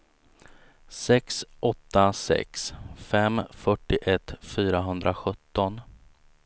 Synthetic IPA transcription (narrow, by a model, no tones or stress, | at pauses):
sɛksʔɔt̪ːasɛ̰ksfɛmfœʈːɪʔɛt̪ːfyːɾaɦɵnd̪ɾaɧɵt̪ːɔn